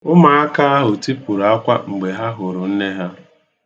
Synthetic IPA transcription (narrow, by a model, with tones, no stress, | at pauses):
ʊ˦ma˨a˦ka˦a˦ɦʊ˨ti˦pʊ˨ɾa˦kʷa˦ŋ͡m̩˨ɡ͡be˨ɦa˦ɦʊ˨ɾʊ˨n̩˦ne˦ɦa˦